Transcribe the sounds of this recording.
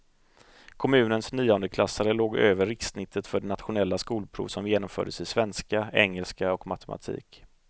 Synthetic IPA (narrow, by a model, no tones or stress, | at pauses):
kʰɔmʉ̟ːnənsnyːɔnd̪əkʰlasːaɾəloːɡøːvəɾːɪksnɪt̪ʰːət̪fœɖɛnat̪ɧʊnɛlːaskuːlpʰɾṵːvsɔmjeːnɔmfœ̰ːɖəsɪsvɛnskaɛŋːɛlskaɔkma̰t̪ʰɛmʔa̰t̪ʰḭːk